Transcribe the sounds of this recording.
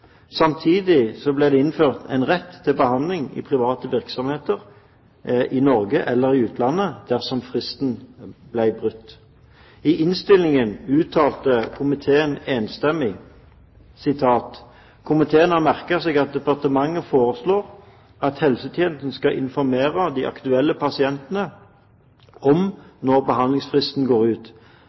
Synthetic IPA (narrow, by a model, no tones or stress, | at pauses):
sɑmt̪ʰiːd̪ɪsɔblæɪd̪ɛɪnføːʁt̪ʰɛ̰ɪnʁɛt̪ʰːɪlbəhɑnd̪lɪŋɪ̰pʰʁɪʋɑːt̪əʋɪʁksɔmheːt̪əʁ | ʔɪnɔʁɡəʔɛlːəʁɪʉːt̪ʰlɑnːəd̪̥æʁsɔmfʁɪst̪nblæɪbʁʉt̪ː | ɪʔɪnst̪ɪlːɪŋənʉːt̪ʰːɑːlt̪əkʰʊmɪt̪ʰeːəneːnst̪ɛmːɪ | sɪt̪ʰɑːt̪ | kʰʊmɪt̪ʰeːənhɑmæʁkəʁsɛːɡɑt̪̚d̪ɛpɑʁt̪əmɑŋːəfoːɾəsloːʁ | ʔɑt̪hɛlsət̪ʰjeːn̩sn̩skɑʔɪ̰nfɔʁmeːʁəd̪iʔɑ̰kt̪ʉɛlːəpʰɑsɪɛnt̪ənə | ɔmnɔʁbəɦɑnlɪŋsfʁɪst̪n̩ɡoːʁʉːt̪